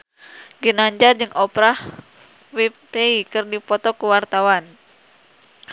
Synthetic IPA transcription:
ɡinaɲd͡ʒard͡ʒɨŋʔɔpɾah | wi | ɾeikɨrdipɔt̪ɔkuwart̪awan

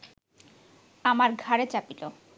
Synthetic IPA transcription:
amaɾɡʱaɾet͡ɕapilo

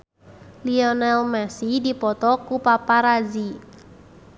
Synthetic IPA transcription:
liɔnalmɛsidipɔt̪ɔkupapaɾazi

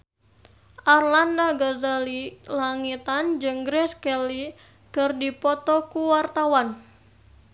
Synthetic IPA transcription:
ʔarlandaɡazalilaŋit̪and͡ʒɨŋɡɾɛskɛli | kɨrdipɔt̪ɔkuwart̪awan

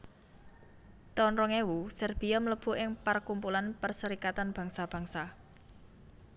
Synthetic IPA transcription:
t̪ɔnɾɔŋewusɛrb̥i̤ɔmləb̥ṳʔɪŋpərkumpulanpərsəɾikat̪anb̥a̤ŋsab̥a̤ŋsa

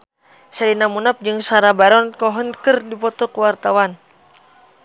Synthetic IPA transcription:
salinamunap̚d͡ʒɨŋsaɾabaɾɔnkɔɦɔnkɨrdipɔt̪ɔkuwart̪awan

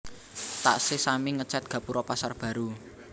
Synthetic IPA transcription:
t̪a̰ʔsesamiŋət͡ʃɛt̪̚ɡ̥ä̤puɾɔpasarb̥ä̤ɾu

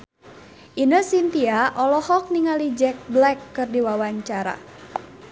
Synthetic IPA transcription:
ʔinəsint̪iaʔɔlɔhɔk̚niŋalid͡ʒɛk̚blɛkːɨrdiwawaɲt͡ʃaɾa̰

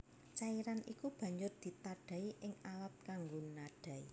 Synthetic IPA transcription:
t͡ʃaiɾanḭkub̥ä̤ɲd͡ʒʊrd̪̥i̤t̪aɖ̥a̤iʔɪŋawap̪̚kaŋɡonaɖ̥a̤i

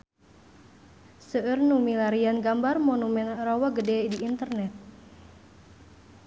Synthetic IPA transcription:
səərnumilaɾianɡambarmɔnumɛnrɔwaɡədɛdiːnt̪ərnɛt̪̚

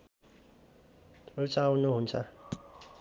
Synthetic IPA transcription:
rut͡sawnuɦunt͡sʰʌ

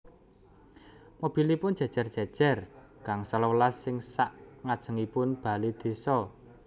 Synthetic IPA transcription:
mob̥i̤lipʊn̥ʒ̥a̤̥ʒ̥a̤rd̥ʒ̥a̤d̥ʒ̥ɛ̤r | kaŋsalolasːɪŋsaʔŋad̥ʒ̥ə̤ŋipʊnb̥a̤lid̪̥e̤sɔ

